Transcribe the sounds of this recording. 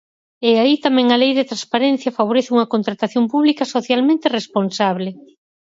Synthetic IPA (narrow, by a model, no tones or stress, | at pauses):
eait̪amɛ̃ŋɐlejðet̪ɾaspaɾen̟θjɐfaβ̞oɾeθuŋɐkont̪ɾat̪aθjompuβlikɐsoθjalmẽnt̪eresponsaβ̞le